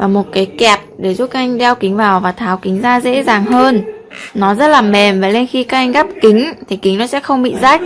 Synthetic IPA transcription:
vaː˨˩mo˨˩t̚kaː˨˦jkɛ˨˩p̚ɗe˧˩zu˦˥p̚kːa˦˥ʔa˧jŋ̟ɗɛ˧wkï˨˦ŋ̟vaː˨˩wvaː˨˩t̪ʰaː˨˦wkï˨˦ŋ̟zaː˧zḛ˧˥zaː˨˩ŋɦəː˧n | nɔ˨˦zə˦˥t̚laː˨˩mɛ˨˩mvaː˨˩le˧nxi˧kaː˦˥k̚ʔa˧jŋ̟ɣaː˦˥p̚kï˨˦ŋ̟t̪ʰi˨˩kï˨˦ŋnɔ˨˦sɛ̰˧˥xə˧wŋ͡mɓḭ˧˨zaː˦˥k̚

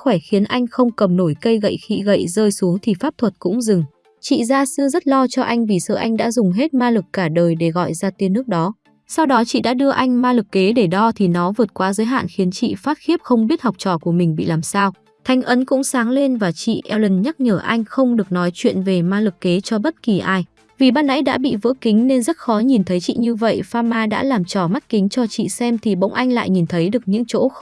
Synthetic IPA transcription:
xwɛː˧˩xi˨˦ənʔa˧jŋ̟xə˧wŋ͡mkə˨˩mno˧˩jkə˧jɣə̰˧˨jxḭ˧˨ɣə̰˧˨jzəː˧jsu˨˦əŋt̪ʰi˨˩faː˦˥p̚t̪ʰwə˨˩t̚kʊ̰˧˥ŋ͡mzɨ˨˩ŋ | t͡ɕḭ˧˨zaː˧sɨ̰˧˥zə˦˥t̚lɔ˧t͡ɕɔ˧ʔa˧jŋ̟vi˨˩sə̰ː˧˩ʔa˧jŋ̟ɗa̰ː˧˥zʊ˨˩ŋ͡mɦe˦˥t̚maː˧lɨ˨˩kːaː˧˩ɗəː˨˩jɗe˧˩ɣɔ̰˧˨jzaː˧t̪i˧ənːɨ˦˥ək̚ɗɔ˨˦ | sa˧wɗɔ˨˦t͡ɕḭ˧˨ɗa̰ː˧˥ɗɨ˧əʔa˧jŋ̟maː˧lɨ˨˩kːe˨˦ɗe˧˩ɗɔ˧t̪ʰi˨˩nɔ˨˦vɨ˨˩ət̚kwaː˨˦zəː˨˦jɦa̰ː˧˨nxi˨˦ənt͡ɕḭ˧˨faː˦˥t̚xi˦˥əp̚xə˧wŋ͡mɓi˦˥ət̚ha˨˩wk͡p̚t͡ɕɔ̰˧˩ku˧˩əmï˨˩ŋ̟ɓḭ˧˨laː˨˩msaː˧w | t̪ʰa˨˦jŋ̟ʔə˨˦nkʊ̰˧˥ŋ͡msaː˨˦ŋle˧nvaː˨˩t͡ɕḭ˧˨ʔɛ˧wlə˧˩nɲa˦˥t̚ɲəː˧˩ʔa˧jŋ̟xə˧wŋ͡mɗɨ˨˩ək̚nɔ˨˦jt͡ɕwḭ˧˨ənve˨˩maː˧lɨ˨˩kːe˨˦t͡ɕɔ˧ɓə˦˥t̚ki˨˩ʔaː˧j | vi˨˩ɓaː˧nːa̰˧˥jɗa̰ː˧˥ɓḭ˧˨vɨ̰˧˥əki˨˦ŋ̟ne˧nzə˦˥t̚xɔ˨˦ɲi˨˩nt̪ʰə˨˦jt͡ɕḭ˧˨ɲɨ˧və̰˧˨jfaː˧maː˧ɗa̰ː˧˥laː˨˩mt͡ɕɔ˧˩ma˦˥t̚kï˨˦ŋ̟t͡ɕɔ˧t͡ɕḭ˧˨sɛ˧mt̪ʰi˨˩ɓə̰˧˥wŋ͡mʔa˧jŋ̟la̰ː˧˨jɲi˨˩nt̪ʰə˨˦jɗɨ˨˩ək̚ɲɨ̰˧˥ŋt͡ɕo̰˧˥

